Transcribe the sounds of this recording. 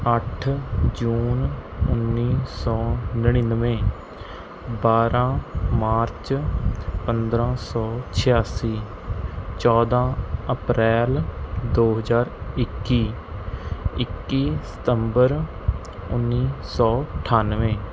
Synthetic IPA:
əʈʰd͡ʒuːnʊnːiːsɔːnəɽ̃inʋẽː | baːɾãːmaːɾt͡ʃ | pənd̪ɾãːsɔːt͡ʃʰɪjaːsiː | t͡ʃɔːd̪ãːəpɾɛːld̪oːɦəzaːɾɪkːiː | ɪkːiːsə̥t̪əmbəɾ | ʊnːiːsɔːəʈʰaːnʋẽː

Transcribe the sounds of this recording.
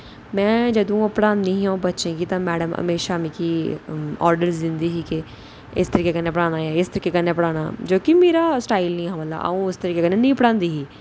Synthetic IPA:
mɛ̃ːd͡ʒəd̪õːpəɽãːnd̪iːɦĩãbətːʃẽːɡiːt̪ãːmɛːɖəmə̰meːʃaːmĩːkiːɔ̰ːɾɖəɾsd̪ɪ̃nd̪iːɦiːke | ɪst̪əɾiːkeːkənːeːp̬əɽaːnaːaːɪst̪əɾiːkekənːepəɽaːna̰ːd͡ʒoːkimeːɾaːsʈaːilnĩːɦãːmət̪ːa̰a̰ũːʊst̪əɾiːkekənːeːnĩːpəɽãːnd̪iːɦiː

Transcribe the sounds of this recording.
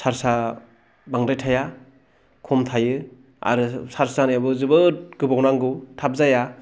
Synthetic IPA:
saɾsa | baŋdajtʰaja | kʰɔmtʰajɯ | a̰ɾɯsaɾsanajabɯzɯbɯɡɯbawnaŋɡɯwtʰap̚zaja

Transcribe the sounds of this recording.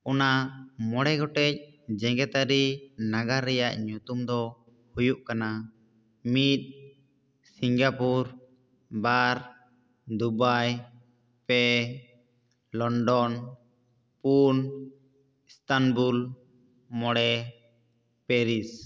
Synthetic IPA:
ɔnamɔɽɛɡɔʈɛc̚ | d͡ʒɛ̃ŋɡɛt̪aɾinaɡaɾːɛjaʔɲut̪umd̪ɔ | hujuʔkana | mit̪̚ˀ | siŋɡapuɾ | baɾ | d̪ubaj | pɛ | lɔɳɖɔn | pun | ist̪anbul | mɔɽɛ | pɛɾis

